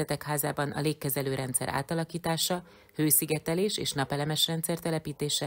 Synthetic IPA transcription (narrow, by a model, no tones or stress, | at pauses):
ɛt̪ɛkhaːzaːbɒnʔɒ̰leːkːɛzɛløːɾʔɛnt̪sɛ̰ɾʔa̰ːt̪ɒlɒkiːt̪aːʃɒ | høːsiɡɛt̪ɛleːʃeːʃnɒpɛlɛmɛʃrɛnt̪sɛrt̪ɛlɛpiːt̪eːʃɛ